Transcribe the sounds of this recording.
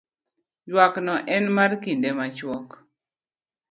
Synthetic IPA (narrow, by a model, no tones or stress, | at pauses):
jwaknɔʔɛnmarkindemat͡ʃwɔk